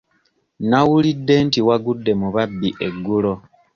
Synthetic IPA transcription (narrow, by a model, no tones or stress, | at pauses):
nawulidːe̞ntiwaɡudːe̞muβabːiʔe̞ɡːulo̞